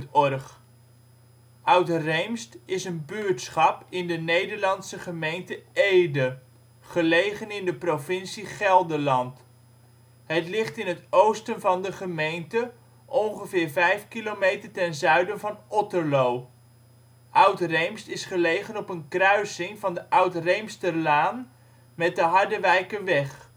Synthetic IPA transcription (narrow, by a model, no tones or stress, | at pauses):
tɔrχ | ʔœɥtrejmstɪsənbyɹtsχɑpɪndənejdəɹlɑntsəχəmejntəejdə | χəlejχənɪndəprovɪnsiχɛlˠdəlɑnt | ɦətlɪχtɪnɦətowstənvɑndəχəmejntə | ʔɔnχəvɪːɹvɛjfkilomejtəɹtɛnzœɥdənvɑnɔtəɹlow | ʔœwtrejmstɪsχəlejχənɔpənkrœɥsɪŋvɑndəʔœɥtrejmstəlaːn | mɛt̚dəɦɑɹdəʋɛjkəʋɛχ